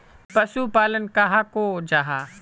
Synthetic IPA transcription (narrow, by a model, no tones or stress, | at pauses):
pɐsuːpaːlənkaɦaːkoːd͡ʒaːɦaː